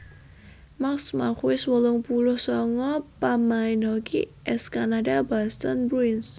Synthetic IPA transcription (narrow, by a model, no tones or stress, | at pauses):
maksma̰kwɪswəlʊŋpulʊhsɔŋɔpamaɪnhɔkḭʔɛskanadabast̪ɔnbɾuins